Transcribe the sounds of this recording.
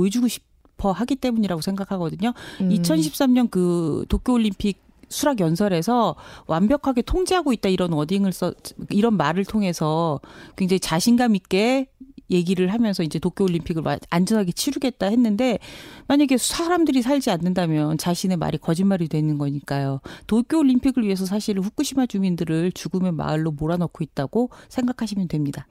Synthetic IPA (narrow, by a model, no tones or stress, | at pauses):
oed͡ʑuɡoɕʰi̥ | pʰʌɦaɡit͈e̞muɲiɾaɡosʰeŋɡakʰaɡʌdɯɲoit͡ɕʰʌnɕʰip̚s͈amɲʌnkɯtokʰoːʎːimpʰiɡ̚ | sʰuɾaɡjʌnsʰʌɾe̞sʰʌwambjʌkʰaɡe̞tʰoŋd͡ʑeɦaɡoit̚t͈aiɾʌnʌdiŋɯɭs͈ʌiɾʌnmaɾɯɭtʰoŋɦe̞sʰʌkwe̞ŋd͡ʑaɦit͡ɕaɕʰinɡamik͈e̞je̞ɡiɾɯɭɦamjʌnsʰʌind͡ʑe̞tokʰjooʎːimpʰiɡɯɭ̰and͡ʑʌnɦaɡe̞t͡ɕʰiɾuɡe̞t̚t͈ahe̞nːɯnde̞maɲaɡesʰaɾamdɯɾis̬ʰaʎd͡ʑianːɯndamjʌnt͡ɕaɕʰine̞ma̰ɾikʌd͡ʑinmaɾidwe̞nɯnɡʌɲik͈ajotokʰjoːʎːimpʰiɡɯɭɥiɦe̞s̬ʰʌs̬ʰaɕʰiɾɸuk͈uɕʰimad͡ʑumindɯɾɯɭt͡ɕuɡɯme̞ma̰ɭːomoɾanʌkʰoit̚t͈aɡ̥osʰe̞ŋɡakʰaɕ̬ʰimjʌndwe̞mɲida